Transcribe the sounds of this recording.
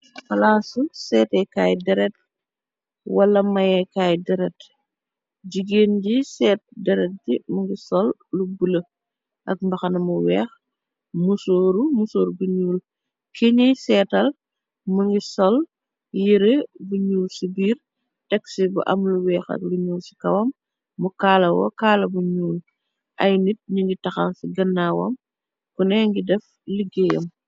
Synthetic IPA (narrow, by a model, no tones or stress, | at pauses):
fɐlaːsusɛːtɛkaːjdɛɾɛt̚ | wɐlɐmɐjɛkaːjdɛɾɛt | ɟiɡeːnɟisɛːt̚dɛɾɛt̚dimuŋɡisɔlːubulɐ | ʔɐk̚mbɐxɐnɐmuwɛːx | musoːɾumusoːɾbuɲuːl | keɲisɛːtɐl | muŋɡisɔl | jiɾebuɲuːlsibiːr | tɛksibṵʔɐmluwɛːxɐ̰k̚luɲuːlsi̥kɐwɐmː | ukaːlɐwɔ̰kaːlɐbuɲuːl | ʔɐjnit̚ɲuŋɡitɐxansiɡɐnːawɔ̰m | kunɛŋɡidɛf | liɡɛːjɔm